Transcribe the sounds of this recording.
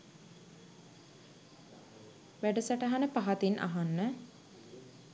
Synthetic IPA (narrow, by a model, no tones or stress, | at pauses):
ʋæɖəsaʈəɦanəpaɦat̪inʔa̰ɦanːə